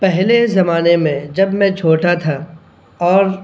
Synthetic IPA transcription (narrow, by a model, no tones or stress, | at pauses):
pɛɦlezɐmaːnemẽd͡ʒɐbmɛ̃t͡ʃʰoːʈat̪ʰa | ɔːɾ